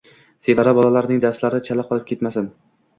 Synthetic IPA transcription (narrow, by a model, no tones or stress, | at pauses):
sevaɾabɒlalaɾnɪŋd̪aslaɾɪt͡ʃʰalap̚qʰɒlˠɪp̚kʲe̞t̪masɪn